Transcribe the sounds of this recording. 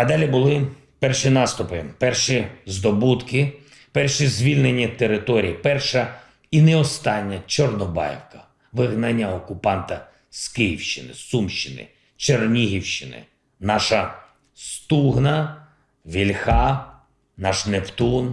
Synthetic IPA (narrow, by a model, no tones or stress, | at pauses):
ɐd̪ɑlʲibʊlˠɪ | pɛrʃinɑst̪ʊpɪpɛrʃizd̪ɔbut̪kɪ | pɛrʃizʲʋʲilʲnenʲːit̪eɾɪt̪ɔɾʲijipɛrʃɐ | inɛɔst̪ɑnʲːɐt͡ʃɔrnɔbɑ̰jɛ̰wkɐ̥ | ʋɪɦnɐnʲːɐɔkʊpɑnt̪ɐ | skɪjiwʃt͡ʃɪnɪ̰sumʃt͡ʃɪnɪ̰ | t͡ʃernʲiɦiwʃt͡ʃɪnɪ̰ | nɑʃɐ | st̪uɦnɐ | ʋʲilʲxɑ | nɑʃnept̪un